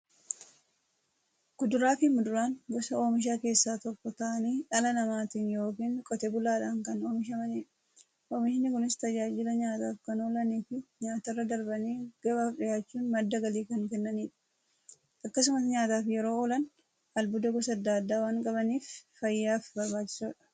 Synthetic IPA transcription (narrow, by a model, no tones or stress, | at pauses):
ɡ̥ʊd̪ʊɾaːfɪmʊd̪ʊɾaːŋɡɔsɐoːmɪʃ̬aːke̞ːsːaːt̪ɔkːɔt̪aːɐniːᶑɐlɐnɐmaːt̪iːnjo̞ːkiːŋkʼɔt̪ɛbʊlaːᶑaːŋkɐnoːmɪʃ̬ɐmɐniːᶑɐ | ʔoːmɪʃɪnːɪkʊnɪst̪ɐd͡ʒaːd͡ʒɪlɐɲaːt̪aːfkɐnoːlɐniːfɪɲaːt̪ɐrːɐd̪ɐɾbɐniːɡ̥ɐbaːfᶑɪjaːt͡ʃːuːnmɐd̪ːɐɡɐliːkɐŋkɛnːɐniːᶑɐ̥ | ɐkːɐs̬ʊmɐsɲaːt̪aːfjɛɾo̞ːoːlɐn | ɐlbʊd̪ɐɡɔsɐɐd̪ːaːd̪ːaːwaːŋkʼɐbɐniːffɐjːaːfbɐɾbaːt͡ʃːɪ̥soːᶑɐ̥